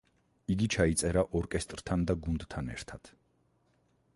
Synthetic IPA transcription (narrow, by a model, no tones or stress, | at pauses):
iɡit͡ʃʰait̪sʼɛɾaʔɔɾkʼɛst̪ʼɾt̪ʰand̪aɡund̪t̪ʰanɛ̰ɾt̪ʰat̪ʰ